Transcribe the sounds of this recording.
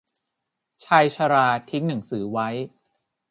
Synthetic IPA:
t͡ɕʰaː˧jt͡ɕʰa˧ɾaː˧t̪ʰi˦˥ŋna˩˦ŋsɯː˩˦wa˦˥j

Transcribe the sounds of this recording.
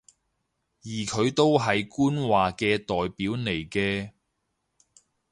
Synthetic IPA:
jiː˨˩kʰɵ˨˧ɥt̪o˥wɦɐ˨jkuː˥nwaː˨kɛː˧t̪ɔː˨jpiː˨˥wne˨˩jkɛː˧

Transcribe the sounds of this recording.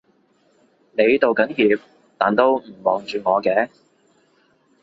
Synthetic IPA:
ne˨˧jt̪o˨wkɐ˨˥njiː˨˧p̚ | t̪aː˨nt̪o˥wm̩˨˩mɔː˨ŋt͡ʃyː˨ŋɔː˨˧kɛː˧

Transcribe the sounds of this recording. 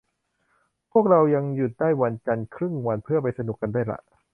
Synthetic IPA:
pʰu˥˩ək̚ɾa˧wja˧ŋju˨˩t̪̚daː˥˩jwa˧nt͡ɕa˧nkʰɾɯ˥˩ŋwa˧npʰɯ˥˩ɐəpa˧jsa˧nu˨˩kːa˧ndaː˥˩jla̰˨˩ʔ

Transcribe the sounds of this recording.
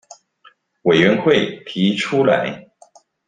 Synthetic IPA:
we˨˩ɪɥɛ˧˥nxwe˥˩ɪt̪ʰi˧˥ʈ͡ʂʰu˥la̰˧˥ɪ

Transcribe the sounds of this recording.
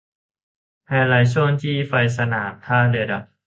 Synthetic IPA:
ha˧˩jlaː˨˦jsʰu˥˩ə˨ŋt̪ʰiː˥˩fa˧js̬a˧naː˩˦mt̪ʰaː˧˩de˧da˨˧˩k̚

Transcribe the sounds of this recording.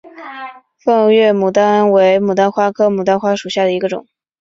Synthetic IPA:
fɤ˥˧ŋɥɛ˥˩mu˨˩t̪a˥we˧˥ɪmu˨˩t̪a˥nxwa˥kʰɤ˥mu˨˩t̪a˥nxwa˥ʂu˨˩ɕja˥˩d̪ə˩i˧˥ɡə˧ʈ͡ʂʊ̰˨˩˦ŋ

